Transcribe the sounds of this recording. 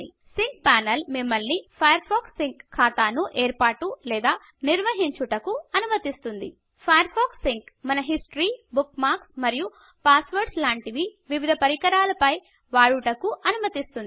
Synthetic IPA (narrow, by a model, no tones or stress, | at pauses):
i | siŋk̚paːnɐlmimːɐlnipʰɐjɐɾpʰoːksiŋkkʰːaːt̪aːnuʔeːɾpaːʈulɛːd̪aː | niɾʋɐɦiɲt͡ʃuʈɐkuɐnumɐt̪ist̪und̪i | pʰɐjɐɾpʰoːksːiŋkmɐnɐɦisʈɾiːbukmaːɾksmɐɾiju | paːsʋɐɾʈslaːɳʈiʋiʋiʋid̪ʱɐpɐɾikɐɾaːlɐpɐj | ʋaːɭuʈɐkuʔɐnumɐt̪ist̪un